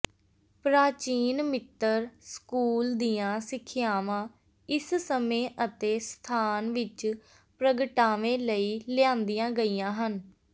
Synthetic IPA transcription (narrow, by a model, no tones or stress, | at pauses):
pɾaːt͡ʃiːnmɪt̪ːəɾskuːld̪iːãːsɪkʰːɪjaːʋãː | ɪssəmẽːʔət̪eːst̪ʰaːnʋɪt͡ʃ | pɾəɡəʈaːʋẽːləiːlɪãːnd̪ijãːɡəiːãːɦən